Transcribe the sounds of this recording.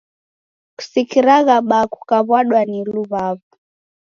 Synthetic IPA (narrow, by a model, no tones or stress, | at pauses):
ku̥sikiɾaɣaɓakukaβwaɗwaniluβaβu